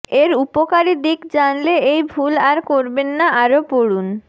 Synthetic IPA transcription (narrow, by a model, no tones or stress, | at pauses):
eɾupokaɾed̪ikd͡ʑanleejbʱulaɾkoɾbenːaʔaɾopoɽun